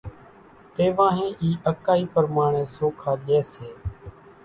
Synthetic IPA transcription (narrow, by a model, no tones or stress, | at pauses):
t̪eːʋãːɦẽːʔiːʔəkaːiːpəɾmaːɳẽːsoːkʰaːʄeːseː